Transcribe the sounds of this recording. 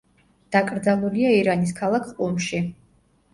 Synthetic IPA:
d̪̥akʼɾd̪zalˠuliaiɾanis̬kʰalˠakʰqʼumʃi

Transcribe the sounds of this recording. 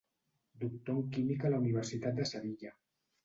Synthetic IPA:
d̪uk̚t̪oŋkimikalauniβ̞eɾsit̪at̪̚d̪esaβiʎa

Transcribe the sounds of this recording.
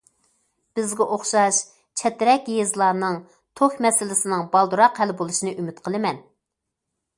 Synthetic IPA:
b̥ɪzɡʲɛʔoχʃɑʃ | t͡ʃʰɛt̪ɾɛkʲjezlˠɑːnɨŋ | t̪ʰokʲmɛsɪlɪsɪnɨŋbɑlˠd̪uɾɑqhɛlɪbolˠuʃinɨʔymyt̪qʰəlˠɨmɛn

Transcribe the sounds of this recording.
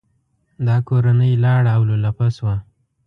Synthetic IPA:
d̪ɑkoɾanəjlɑɽawlolapaswa

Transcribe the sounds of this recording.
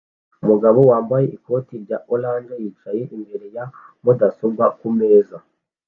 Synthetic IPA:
umuɡaβo̞waːmbaje̞ʔiko̞ːtiɾɟaʔolaːnd͡ʒejiːt͡ʃaje̞ʔimbe̞ɾe̞ja | modasobɡakume̞ːza

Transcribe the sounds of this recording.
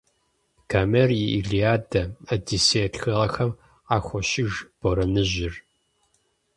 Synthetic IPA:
kʰaːmɛrjiʔiɮijaːdɐɐdiseːtxɐʁɐxɐm | aːxʷɔʃɪʒb̥ɔɾɐnɨʑɪr

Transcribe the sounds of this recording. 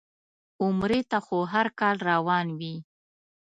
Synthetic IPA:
ʊmɾet̪axoɦaɾkɑlɾawɑnwi

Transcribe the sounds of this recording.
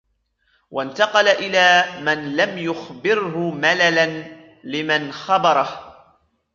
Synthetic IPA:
wʔant̪ɑqɑlaʔɪlaːmanlamjʊxbɪɾhʊmalalan | lɪmanxɑbɑɾˤɑh

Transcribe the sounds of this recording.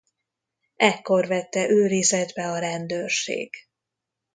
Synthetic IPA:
ɛkːo̞rvɛt̪ːɛʔøːɾizɛd̪bɛɒɾɛnd̪øːrʃḛːɡ̥

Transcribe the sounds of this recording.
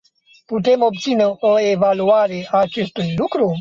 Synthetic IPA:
put̪emob̚t̪sineʔoevaluaɾeaːt͡ʃe̞st̪ujlukɾu

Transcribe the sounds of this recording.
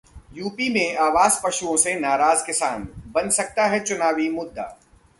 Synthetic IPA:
juːpimẽaːʋaːzpɐʃuõsenaːɾaːzkɪsaːnbɐnsɐk̚t̪aɦɛt͡ʃʊnaːʋimʊd̪ʱːa̰ː

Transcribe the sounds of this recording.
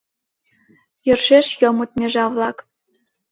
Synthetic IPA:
jɤ̆rʃeʃjɤ̆mut̪̚mʲeʐɑvlˠɑk

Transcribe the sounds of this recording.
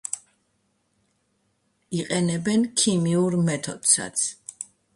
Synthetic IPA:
iqʼɛnɛbɛnkʰimiuɾmɛt̪ʰɔ̰d̪̥sa̰t̪sʰ

